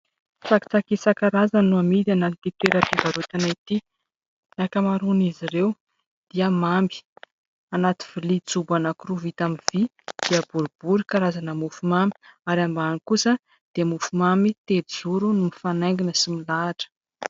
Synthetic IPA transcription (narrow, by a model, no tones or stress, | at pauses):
faki̥t͡sakisakaɾazannuamid̪analit̪it̪weɾat̪ivaɾut̪anait̪i | nakamaɾuniziɾew | d̪̥iəmambi̥ | anat̪i̥v̥ilit͡subanakuruvit̪amiv̥i | d̪̥iəb̥uɾib̥uɾikaɾazanəmufumami̥aɾambanikusə | d̪̥emufumamit̪ed͡zuɾunumifanajŋɡinəsimilaʈ͡ʂə̥